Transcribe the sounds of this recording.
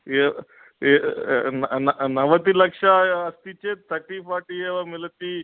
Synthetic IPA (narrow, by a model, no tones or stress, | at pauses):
e | nnnɐʋət̪iːlɐkʂaːst̪it͡ɕet̪ʰːəʈipaʈieʋamilt̪iː